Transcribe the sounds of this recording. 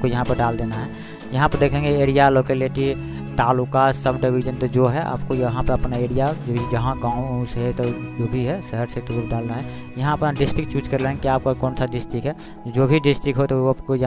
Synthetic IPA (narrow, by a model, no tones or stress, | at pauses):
kojɐɦãpəɾɖald̪enaɦɛ | jəɦãpəɾd̪eːkʰẽŋɡeeɾijaloːkeliʈi | t̪aːlukasəbɖibʱid͡ʒənt̪od͡ʒoɦɛʔa̰ːpkojɦãpəɾəpnaeɽijad͡ʒobʱid͡ʒəɦãɡãːũsɦet̪od͡ʒoːbʱiɦɛsəɦəɾsed̪uːɾɖaːlnaɦɛ | jəɦãəpnaɖɪsʈɪkt͡ʃut͡ʃkəɾleɦɛ̃ŋkiaːp̚kokɔːnsaɖɪsʈɪkɦɛ | d͡ʒobʱiɖɪsʈɪkɦot̪opkoj